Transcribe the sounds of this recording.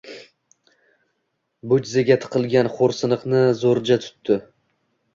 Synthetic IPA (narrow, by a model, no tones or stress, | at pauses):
bʊd͡ʒzeɡʲat̪ʰɨ̥qʰɨlˠɡʲanχoɾsɨnɨqnɪzoɾd͡ʒat̪ʰʊ̥t̪ːɪ